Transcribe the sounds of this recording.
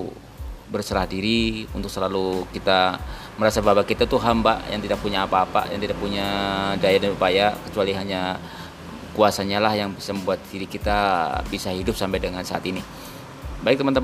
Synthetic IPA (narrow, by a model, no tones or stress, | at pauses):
bərsəɾahdiɾiunt̪ʊksəlalukit̪a | məɾasababakit̪at̪uɦambajaŋt̪idak̚puɲaːpaːpa̰ja̰ŋt̪idak̚puɲadajadanupajakə̥t͡ʃualiɦaɲa | kuasaɲalahjaŋbisaməmbuat̪̚diɾikit̪abisaɦidʊp̚sampajdəŋansaa̰t̪ini | baɪk̚t̪əmənt̪ə